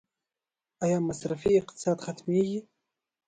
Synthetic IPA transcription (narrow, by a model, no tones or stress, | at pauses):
ajamːasrafiiqt̪ʰsad̪χat̪ʰmiji